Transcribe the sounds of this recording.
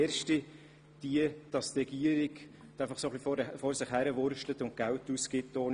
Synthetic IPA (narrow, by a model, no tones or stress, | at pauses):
ɾʃti | d̥iəd̥ɑst̪ɾɛɡ̥iəɾɪɡ | d̥æɪfɑχsoχlifɔɾsɪχhæɾəvʊɾʃtlətʊnt̚ɡ̥æwtuskɪtːoːn